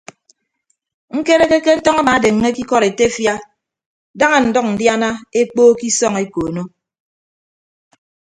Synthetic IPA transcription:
ŋ̩˦ke˦ɾe˦ke˦ke˦n̩˦tɔ˦ŋa˦ma˨˦de˨ŋːe˦ki˦kɔ˦˨ɾe˨te˦fja˦ | da˦ŋa˨n̩˨dɔ˦k̚n̩˨dja˦na˦e˦k͡poː˦ki˦sɔ˦˨ŋe˦ko˨no˦

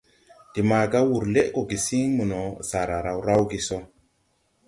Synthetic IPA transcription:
d̥i˨ma˨ɡa˦wu˨ɾle˦ʔko˨ɡi˨si˦ŋmu˨no˨sa˨ɾa˨ɾa˨wɾa˦wɡi˨so˦

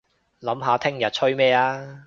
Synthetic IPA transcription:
lɐ˨˥mɦaː˨˧t̪ʰɪ˥ŋjɐ˨t̚t͡ʃʰɵ˥ɥmɛː˥˧aː˥

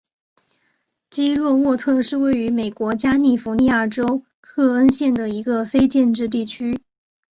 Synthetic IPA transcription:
t͡ɕi˥lwɔ˥˧wɔ˥˧t̪ʰɤ˥˧ʂɻ̩˥˧we˥˩ɪy˧˥me˨˩ɪkwɔ˧˥t͡ɕja˥ni˥˩fu˧˥ni˥˧a˥˩ʈ͡ʂo˥ʊ | kʰɤ˥˩ə˥nɕjɛ˥˩nd̪ə˩i˧˥ɡə˧fe˥ɪt͡ɕjɛ˥˧nʈ͡ʂɻ̩˥˧t̪̬i˥˩t͡ɕʰy˥

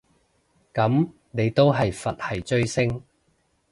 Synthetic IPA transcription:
kɐ˨˥m | ne˨˧jt̪o˥wɦɐ˨jfɐ˨t̚hɐ˨jt͡ʃɵ˥ɥsɪ˥ŋ

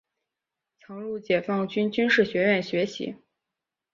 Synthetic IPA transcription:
t͡sʰɑ˧˥ŋɻu˥˩t͡ɕjɛ˨˩fɑ˥˩ŋt͡ɕy˥nt͡ɕy˥nʂɻ̩˥˩ɕɥɛ˧˥ɥɛ˥˩nɕɥɛ˧˥ɕḭ˧˥

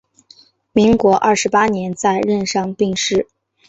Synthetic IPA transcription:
mi˧˥ŋkwɔ˧˥ʔɐ˥˩ʂɻ̩˧˥pa˥njɛ˧˥nt͡sa˥˧ɪɻə˥˧nʂɑ˥˧ŋpi˥˧ŋʂɻ̩˥˩

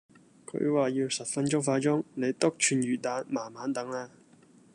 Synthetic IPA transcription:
kʰɵ̰˨˧˥ɥwaː˨jiː˧wsɐ˨p̚fɐ˥nt͡ʃʊ˥ŋfaː˧t͡ʃʊ˥ŋne˨˧jt̪ʊ˥k̚t͡ʃʰyː˨˧njyː˨t̚t̪aː˨˧˥nmaː˨˩nmaː˨˥nt̪ɐ˨˥ŋaː˧

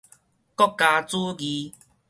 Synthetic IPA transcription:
kɔ˦kːa˧t͡su˦ɡi˨˧

